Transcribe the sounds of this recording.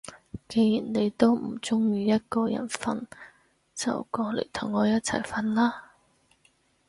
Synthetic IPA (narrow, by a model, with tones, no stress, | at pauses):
ke˨˧jji˨˩nne˨˧jt̪o˥wm̩˨˩t͡sʊ˥ŋjiː˧jɐ˥t̚kɔː˧jɐ̰˨˩nfɐ̰˧n | t͡sɐ̰˨wkɔː˧lḛ˨˩jt̪ʰʊ˨˩ŋːɔː˨˧jɐ˥t̚t͡sʰɐ̰˨˩jfɐ˧nlaː˥